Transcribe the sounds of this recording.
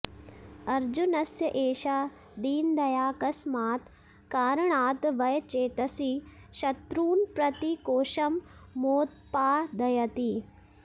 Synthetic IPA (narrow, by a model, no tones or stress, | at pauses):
ɐɾd͡ʒunɐsjɐʔeːʃaː | d̪iːnd̪ɐjaːkɐsmaːt̪ | kaːɾɐɳaːt̪ʋɐjɐt͡ʃeːt̪ɐsiʃɐt̪ɾuːnpɾɐt̪ikoːʃɐmːoːt̪̚paːd̪ɐjɐt̪i